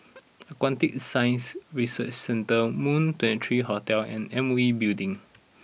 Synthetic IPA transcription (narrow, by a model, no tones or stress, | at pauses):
əkwãntɪk̚sãj̃nsɹisət͡ʃsɛ̃ntəmũntʰɛ̃ntɹihɔtɛlɛ̰̃nɛ̃mibildĩŋ